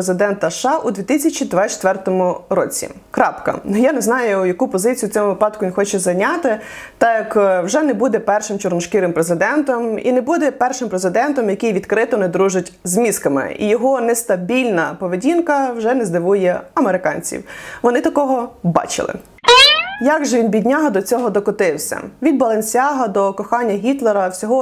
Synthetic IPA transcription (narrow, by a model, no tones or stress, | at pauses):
ezɪd̪ɛnt̪ɐʃɑʔud̪ʋʲit̪ɪsʲɐt͡ʃid̪ʋɑt͡ʃt̪ʋɛrt̪ɔmʊɾɔt͡sʲḭ | kɾɑpkɐ̰nʊjanɛznɑjʊjɐkupɔzɪt͡sʲijʊt͡sʲɔmʊʋɪpɑd̪̚kʊʋʲinxɔt͡ʃɛzɐjnʲɑt̪ɪ | t̪ɑjɐkwʒɛnɛbud̪ɛpɛrʃɪmt͡ʃɔrnʊʃkɪɾɪmpɾezɪd̪ɛnt̪ɔmḭnɛbud̪ɛpɛrʃɪmpɾezɪd̪ɛnt̪ɔmjɐkʲijʋʲid̪kɾɪt̪ɔnɛd̪ɾuʒɪtʲzmʲiskɐmɪ̰ḭjɔɦɔnɛst̪ɐbʲilʲnɐpɔʋedʲinkɐwʒɛnɛzd̪ɪʋujɛɐmeɾɪkɑnʲt͡sʲḭwʋɔnɪt̪ɐkɔɦɔbɑ̰t͡ʃɪ̰lˠɪ̰ | jɑɡʒʋʲinbʲidʲnʲaɦɐd̪ɔt͡sʲɔɦɔd̪ɔkɔt̪ɪwsʲɐ̰ʋʲid̪̚bɐlˠɐnʲsʲɑɦɐd̪ɔkɔxɑnʲːɐɦʲit̪lˠeɾɐwsʲɔɦɔ